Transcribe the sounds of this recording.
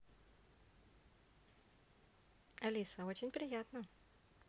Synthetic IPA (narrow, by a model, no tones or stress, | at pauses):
ɐlʲisəot͡ɕɪnʲpɾʲɪjat̪nə